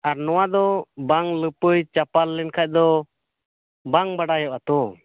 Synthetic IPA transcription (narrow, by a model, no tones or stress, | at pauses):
aɾnɔwad̪ɔbaŋləpəjt͡ʃapalːɛnkʰac̚d̪ɔ | baŋbaɽajɔʔat̪ɔ